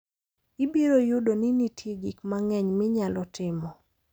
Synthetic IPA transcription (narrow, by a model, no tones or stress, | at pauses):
ibiɾojʊdoninitjeɡikmaŋɛɲmɪɲalɔtɪmɔ